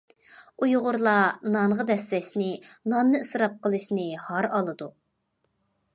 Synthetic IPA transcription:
ujʁʊɾlˠɑnɑɴʁɑd̪ɛslɛʃnɪnɑnːɨɨsɾɑp̚qʰəlˠɨʃnɪhɑɾɑlˠɨd̪u

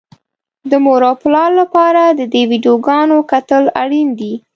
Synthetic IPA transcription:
d̪əmoɾoplɑlːapɑɾad̪əd̪ewiɖijoɡɑnokat̪əlaɽind̪i

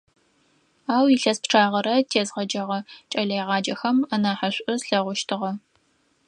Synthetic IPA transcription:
aːwiɬɐspʈ͡ʂʰaːʁɐɾɐtʰeːzʁɐd͡ʒɐʁɐt͡ʃʼɐɮejʁɑːd͡ʒɐxɐmɐnaːħaɕʷʼʊzɬɐʁʷʊʃtʰɨʁɐ

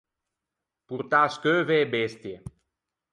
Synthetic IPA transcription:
puɾt̪askøːveːbest̪je

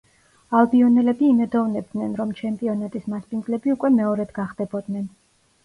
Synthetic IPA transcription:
alˠbiɔnɛlɛbiːmɛd̪ɔvnɛb̚d̪nɛnɾɔmt͡ʃʰɛmpʼiɔnat̪ʼismaspʼindzlɛbiukʼwɛmɛɔɾɛd̪ɡaχd̪ɛbɔd̪nɛn

